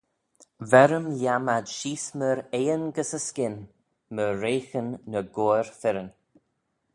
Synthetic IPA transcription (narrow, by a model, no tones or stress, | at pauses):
vɛɾəmljamadʃiːsməɾeːənɡəsəskɪn | məɾeːxənːəɡoːɹfɪɾən